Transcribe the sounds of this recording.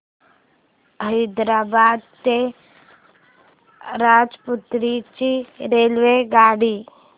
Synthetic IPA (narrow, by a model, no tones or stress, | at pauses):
əɪd̪ɾaːbaːd̪̚t̪e | ɾaːd͡ʒput̪ɾit͡ʃiɾeːlʋeɡaːɽi